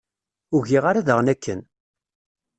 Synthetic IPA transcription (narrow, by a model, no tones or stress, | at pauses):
ʊʝiʁaɾaðəʁnækːə̰n